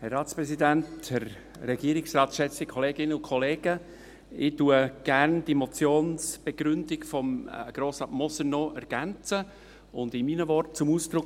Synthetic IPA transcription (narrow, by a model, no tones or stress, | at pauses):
hɛrːɑːtt͡spɾɛsidænthɛɾː | ɛɡiəɾɪksrɑːtʃɛt͡sd̥ikʰoleːɡɪnəʊnkʰoleːɡ̥ə | ɪtuəɡ̥æɾnd̥imɔt͡sjoːnsb̥eɡɾʏndɪkfɔmɡ̥ɾoːsɑtmɔsənɔʔɛɾɡ̥ænt͡sə | ʊndɪminəvɔɾt̚t͡sʊmuːsd̥ɾʊk